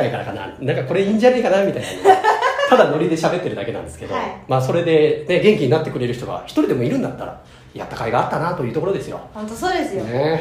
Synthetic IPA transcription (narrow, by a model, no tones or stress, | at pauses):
aikaɾakana̰nãŋkako̞ɾe̞ĩɲ̟d͡ʑanaikanamʲit̪aina̰nt̪ad̪ano̞ɾʲid̪e̞ɕabe̞t̪ːe̞ɾɯ̟d̪ake̞nã̰nd̪esɨ̥ke̞d̪o̰maːso̞ɾe̞d̪e̞ne̞ɡẽ̞ŋkʲiɲ̟inat̪ːe̞kɯɾe̞ɾɯ̟çi̥t̪o̞ɡa̰çi̥t̪o̞ɾid̪e̞mo̞iɾɯ̟̃nd̪at̪ːa̰ɾa̰ | ja̰t̪ːakaiɡaːt̪ːanat̪o̞iɯt̪okoɾo̞d̪e̞sɨjõ̞̰nt̪osoːd̪ese